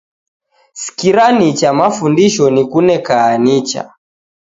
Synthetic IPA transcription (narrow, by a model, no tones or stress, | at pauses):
si̥kiɾanit͡ʃamafundiʃɔnikunɛkaːnit͡ʃa̰